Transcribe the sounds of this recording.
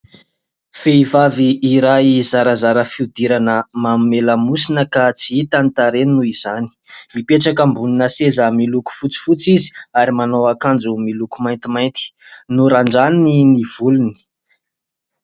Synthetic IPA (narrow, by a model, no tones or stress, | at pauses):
feivaviːɾajizaɾəzaɾəfiud̪iɾanəmammeləmusinəkat͡siit̪ant̪aɾeninuiz̥ani̥mipeʈ͡ʂakambuninəsezəmiluku̥fut͡si̥fut͡sizi̥aɾimanowakand͡zumilukumajnt̪imajnt̪i̥nuɾaɳɖ͡ʐanniniv̥uluni̥